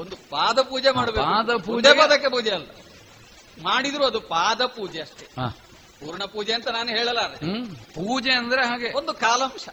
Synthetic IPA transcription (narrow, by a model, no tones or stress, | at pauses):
ond̪upaːd̪ɐpuːd͡ʒemaːɽɐbeakːd̪ɐpuepɐd̪ɐk̬ːepuːd͡ʒeɐlːɐ | maːɽid̪ɾuɐd̪upaːd̪ɐpuːd͡ʒeɐʂʈeaː | puːɾuɳɐpuːd͡ʒeɐnt̪ɐnaːnuɦeːɭɐlːɐɾepuːd͡ʒeɐnd̪ɐɾeɦaːɡe̞ond̪ukaːlɐm